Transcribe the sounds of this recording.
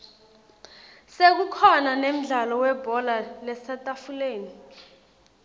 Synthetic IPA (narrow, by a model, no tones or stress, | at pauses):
sek̬ukʰɔnanem̩ɮalɔwɛbʱɔlalɛsatʼafuleːni